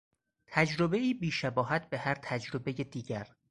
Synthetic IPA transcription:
t̪ʰæd͡ʒɾobe̞iːbiːʃæbɒːɦæt̪̚ʰbehæɾt̪ʰæd͡ʒɾobe̞jed̪iːɟæɾ

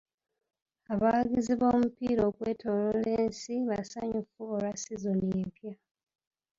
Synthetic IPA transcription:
aβaɡiziβo̞ːmupiːɾo̞ːkwe̞ːto̞loleːnsiβasaɲufuoɾasizoniempja

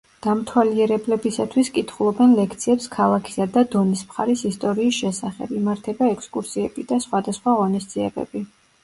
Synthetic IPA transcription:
d̪̥amt̪ʰwaliɛɾɛblɛbisat̪ʰwiskʼit̪ʰχulˠɔbɛnlɛkʰt̪sʰiɛpskʰalˠakʰi̥sad̪ad̪ɔnismχaɾisist̪ʼɔɾiːsʃɛsaχɛ̰bimaɾt̪ʰɛbaɛkskʼuɾsiɛbid̪asχwad̪asχwaʁɔnisd̪ziɛbɛ̰bi

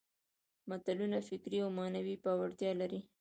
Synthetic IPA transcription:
mat̪alunafɪkɾiawmɑnawipɑwaɽt̪jɑlaɾi

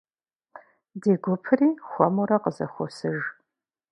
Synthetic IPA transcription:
deːɡʷʊpʰɨriːxʷɔmuɾɐqəzɐ̰xʷɔsɨʒ

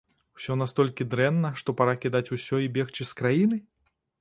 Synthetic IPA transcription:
w̥sʲɔnast̪ɔlʲkʲid̪ɾɛnːɐʂt̪ɔpaɾakʲid̪at͡sʲusʲɔibʲɛxt͡ʃɨskɾajinɨ

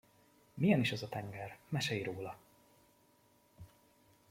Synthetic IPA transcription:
mijɛniʃɛzɒt̪ɛŋɡɛrmɛʃɛjiɾoːlɒ

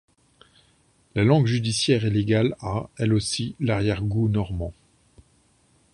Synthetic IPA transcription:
lalɑ̃ɡʒyd̪isjɛʁeleɡalaɛlosilaʁjɛʁɡunɔʁmɑ̃

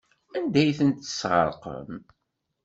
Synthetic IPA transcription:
ænd̪æjθənt̪ə̥sʁə̰ɾˤqə̰m

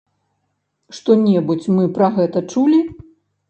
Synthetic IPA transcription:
ʂt̪ɔnʲɛbut͡sʲmɨpɾɐɣɛt̪ɐt͡ʂulʲi

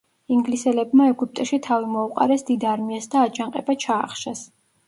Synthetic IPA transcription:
iŋɡlisɛlɛbmaɛɡup̚t̪ʼɛʃit̪ʰavimɔuqʼa̰ɾɛsd̪id̪aɾmiasd̪aːt͡ʃʰʼaŋqʼɛbat͡ʃʰaːχʃas

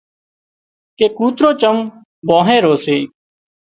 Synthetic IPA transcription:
keːkuːt̪ɾoːt͡ʃəm | bõːɦẽːɾoːseː

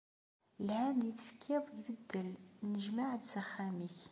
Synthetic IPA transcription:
lhæmdiθfə̥kʰːiðˤʝðəd̪ːəlnəʒmaʕd̪zaχːæmiç

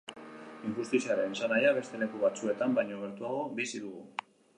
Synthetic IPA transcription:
iŋxust̪isiaɾe̞nsanajaβ̞e̞st̪e̞le̞kuβ̞at͡sue̞t̪ambaɲoɣ̞e̞ɾt̪uaɣ̞o̞bisiðuɣ̞u

